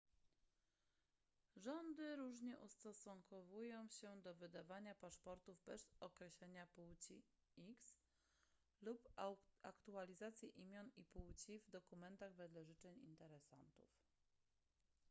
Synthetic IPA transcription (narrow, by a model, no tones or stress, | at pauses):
ʐɔnd̪ɘɾuʐɲɛʔust̪ɔsuŋkɔvujɔ̃w̃ɕɛd̪ɔvɘd̪avaɲapaʂpɔɾt̪uvbɛz̥ɔkɾɛɕlɛɲapuwt͡ɕi | iks | lupakt̪ualʲizat̪sʲjɛʔimʲjɔnipuwt͡ɕivd̪ɔkumɛnt̪aɣvɛd̪lɛʐɘt͡ʂɛɲḭnt̪ɛɾɛsa̰nt̪ṵf